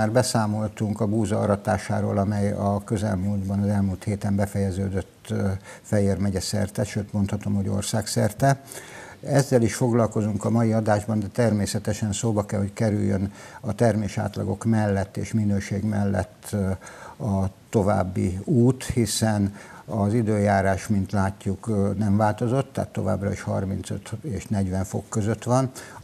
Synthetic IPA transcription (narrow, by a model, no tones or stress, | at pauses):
aːrbɛsaːmo̞lt̪uŋkɒbuːzɒɒ̰ɾɒt̪a̰ːʃa̰ːɾoːlɒmɛjɒkøzɛ̰lmuːld̪bɒnɒzɛlmuːlt̪heːt̪ɛmbɛfɛjɛzøːd̪øt̪ːfɛjeːrmɛɟɛsɛ̰rt̪ɛt̪ʃøːt̪mo̞nt̪hɒt̪o̞mho̞ɟo̰rsaːksɛrt̪ɛ | ɛzːɛliʃfo̞ɡlɒlko̞zuŋkɒmɒjiɒd̪aːʒbɒnd̪ɛt̪ɛrmeːsɛt̪ɛʃɛnsoːbɒkɛlho̞ckɛɾyjːønɒt̪ɛrmeːʃa̰ːt̪lɒ̰ɡo̞kmɛlːɛt̪ːḛːʃminøːʃeːɡmɛlːɛ̰t̪ː | ɒt̪o̞va̰ːbːḭuːt̪hisɛnɒzid̪øːjaːɾaːʃmint̪laːcːuknɛɱvaːlt̪o̞zo̞t̪ːa̰ːt̪ːo̞va̰ːbrɒ̰iʃhɒ̰rmint̪sø̰t̪eːʃnɛɟʋɛɱfo̞̰kːøzøt̪ʋɒn